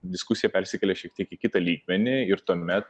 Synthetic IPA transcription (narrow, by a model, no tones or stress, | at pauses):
d̪ʲɪskusʲɪjɛpʲɛɾʲsʲɪkʲɛlʲeʃʲiɛk̚t̪ʲiɛkɪkʲɪt̪ɐlʲiːɡmʲɛnʲɪɪɾt̪uɔmʲɛt̪